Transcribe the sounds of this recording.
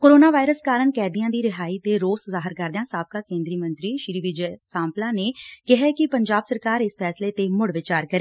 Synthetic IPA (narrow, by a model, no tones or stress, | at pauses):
koːɾoːnaːʋaːɪɾəskaːɾəɳkɛːd̪ijãːd̪iːɾɪɦaːiːt̪eːɾoːszaːɦɪɾkəɾd̪ejãːsaːb̚kaːkẽːnd̪ɾiːmə̃nt̪ɾiːʃɾiːʋɪd͡ʒsãːmplãːneːkɪɦɛːkɪpəɲd͡ʒaːbsəɾkaːɾɪspʰɛːsleːt̪eːmʊɽʋɪt͡ʃaːɾkəɾeː